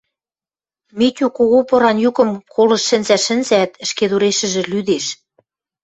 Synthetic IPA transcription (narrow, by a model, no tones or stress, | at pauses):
met̪ʲukoɣopɤ̆ɾɑnjukɤ̆mkʰolɤ̆ʃːɘ̆nzæʃɘ̆nzæt̪ɘ̆ʃked̪uɾeʃɘ̆ʒĕlyd̪eʃ